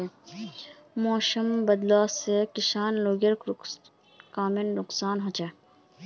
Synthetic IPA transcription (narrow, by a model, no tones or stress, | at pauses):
mɔːʃəmbɐd̪laːsekɪʃaːnloːɡəɾ | kaːmɪnɾʊksaːnɦõt͡ʃeː